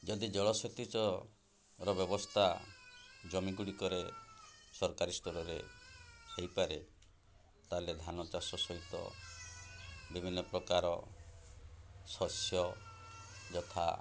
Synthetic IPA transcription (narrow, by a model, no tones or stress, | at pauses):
d͡ʒɔd̪id͡ʒɔɭɔsɔt̪it͡ʃɔ | ɾɔbjɔbɔst̪ʰa | d͡ʒɔmiɡuɽikɔɾe | sɔɾkaɾist̪ɔɾɔɾḛ | hejpaɾe | t̪aled̪ʱanɔt͡ʃasɔsɔɦit̪ɔ̰ | bibʱinːɔpɾɔkaɾɔ̰ | sɔsjɔ | d͡ʒɔt̪ʰa̰